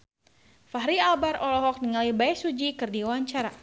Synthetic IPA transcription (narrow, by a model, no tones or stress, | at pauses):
faɦɾialbaɾɔlɔɦɔk̚niŋalibaɛsud͡ʒikɨrdiwaɲt͡ʃaɾa